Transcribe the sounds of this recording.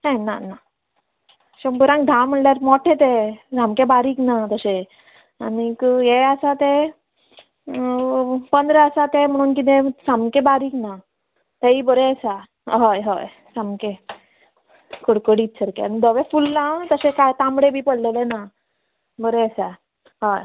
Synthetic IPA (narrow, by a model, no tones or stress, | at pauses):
ɦãnana | ɕəmpuɾãŋk̚d̪ʱãm̤əɳljaɾmɔʈʰẽt̪ed̪ʱãmkebaɾiːknat̪əse | añikjeasat̪e | pənd̪ɾeəsat̪em̤əɽ̃uːnk̬id̪ẽsamkebaɾiːkna | t̪eibəɾeəsa | ɦojɦo̰j | samke | koɽkəɽiːt̪sʰəɾkḛanid̪əʋefulnat̪əsekajt̪ãmɽebʱiːpəɽlelena | bəɾeəsa | ɦoj